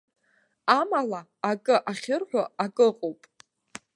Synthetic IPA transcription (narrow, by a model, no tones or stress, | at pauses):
amalaːkʼɨʔaχʲɪrħʷᶣaakʼɨqʼowpʼ